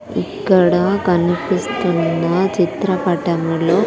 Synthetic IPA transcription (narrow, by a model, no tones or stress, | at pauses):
ḭkːɐɽɐkɐnipist̪unːɐt͡ʃit̪ɾɐpɐʈɐmilo̞ː